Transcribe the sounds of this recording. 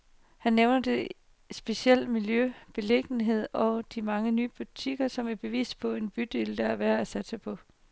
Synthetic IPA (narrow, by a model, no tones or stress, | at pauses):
hænːeʊnɐd̥e̝ | sb̥e̝siel̰miljøb̥e̝le̝ɡ̥n̩ɦe̝ð̞̰ˠɒ̽d̥imɑ̈ŋənyːəb̥ut͡sʰiɡ̥ɐsɒ̽mæɐb̥e̝ʋḭːsd̥̚pʰɒ̽e̝nb̥yd̥eld̥ɑæʋæɐæsæd̥sɑ̈ɪpʰɒ̽